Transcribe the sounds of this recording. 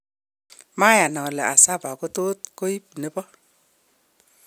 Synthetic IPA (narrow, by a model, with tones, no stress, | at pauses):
ma˦ja˨nɔ˨lɛ˨ʔa˨sa˦ba˨ko˦to˦t̚ko˦i˦p̚nɛ˦bɔ˦